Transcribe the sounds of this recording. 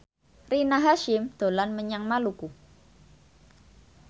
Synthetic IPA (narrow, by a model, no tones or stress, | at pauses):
rinaɦaʃɪmd̪̥o̤lanməɲaŋmaluku